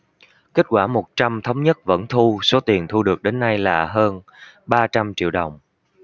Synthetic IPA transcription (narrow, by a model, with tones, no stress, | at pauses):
ke˦˥t̚kwaː˧˩mo˨˩t̚t͡ɕa˧mt̪ʰə˨˦wŋ͡mɲə˦˥t̚və̰˧˥nt̪ʰu˧so˨˦t̪i˨˩ənt̪ʰu˧ɗɨ˨˩ək̚ɗe˨˦nːa˧jlaː˨˩ɦəː˧n | ɓaː˧t͡ɕa˧mt͡ɕḭ˧˨əwɗə˨˩wŋ͡m